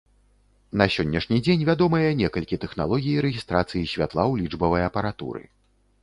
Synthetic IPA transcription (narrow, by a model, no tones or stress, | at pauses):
nɐsʲɔnʲːɐʂnʲid͡zʲenʲvʲad̪ɔmɨjɐnʲɛkɐlʲkʲit̪ɛxna̰lˠɔɣʲijiɾɛɣʲist̪ɾat̪sɨjisʲvʲat̪lˠawlʲid͡ʐbɐvɐjɐpɐɾat̪ṵɾɨ̰